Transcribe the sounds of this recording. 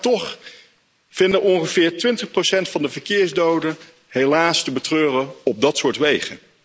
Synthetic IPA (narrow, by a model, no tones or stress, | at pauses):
tɔχ | v̥ɪndənʔɔnχəv̥ɪːɹtʋɪntəχprowsɛntfɑndəvəɹkɪːɹzdowdən | ɦejlaːstəbətrøːrəɔb̚dɑtsʊːɹtʋejχə̰n